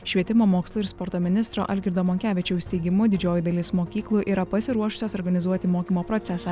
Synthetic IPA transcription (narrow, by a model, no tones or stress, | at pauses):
ʃʲʋʲiɛt̪ʲɪmoːmoːkslˠuːɪɾspɔɾt̪oːmʲɪnʲɪst̪ɾo̰ːʔɐlʲɡʲɪɾʲd̪oːmɔːŋʲkʲæːʋʲɪt͡ʃʲɛʊsʲt̪ʲɛɪɡʲɪmʊd̪ʲɪd͡ʒʲoːjɪd̪ɐlʲiːsmoːkʲiːklˠuːʔiːɾɐpɐsʲɪɾuɔʃʊ̥sʲoːsɔɾɡɐnʲɪzuɔt̪ʲɪmoːkʲiːmoːpɾɔt̪sʲɛsɑ